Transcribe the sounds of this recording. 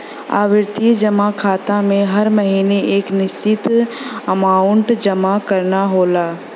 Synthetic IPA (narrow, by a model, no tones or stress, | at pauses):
a̰ːʋɪɾt̪id͡ʒɐmakʰaːt̪ãmẽɦɐɾmɐɦiːneʔeːknɪst͡ʃɪt̪ | ɐmaːʊɳʈd͡ʒɐmakɐɾnaɦoːlaː